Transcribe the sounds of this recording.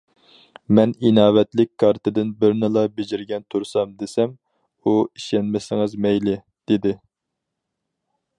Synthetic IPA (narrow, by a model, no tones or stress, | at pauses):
mɛninɑːwɛt̪lɪkʲkʰːɑɾt̪ʰɨd̪ɪnbɪɾnɪlˠɑbed͡ʒɪɾɡʲɛnt̪ʰuɾsɑmd̪ɪsɛm | uiʃɛnmɪsɪŋɨzmɛjlɪ | d̪̥ɪd̪ɪ